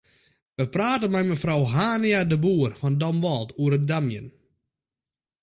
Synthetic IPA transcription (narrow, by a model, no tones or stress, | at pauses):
ʋəpraːtənmɛjməfrɔwɦaːniadəbuːərfɔndɔmʋɔlˠtʰuəɾədamjən